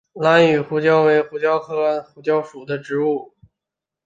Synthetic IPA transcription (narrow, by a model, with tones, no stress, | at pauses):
na˧˥ny˨˩xu˧˥t͡ɕjɑ˥ʊwe˧˥ɪxu˧˥t͡ɕjɑ˥ʊk̪ʰɤ˥˩a˥nxu˧˥t͡ɕjɑ˥ʊʂu˨˩d̪ə˦ʈ͡ʂɻ̩˧˥u˥˩